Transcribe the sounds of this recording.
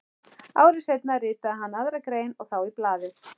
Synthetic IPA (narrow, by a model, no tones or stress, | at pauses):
a̰ːwɾɪsejt̪narɪːt̪aɦanːaðɾakɾeːjnɔɣθawiplaːðɪð